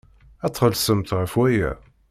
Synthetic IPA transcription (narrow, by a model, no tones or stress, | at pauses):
æt̪ˤːχəlsəmt̪ʁəfwæjæ̰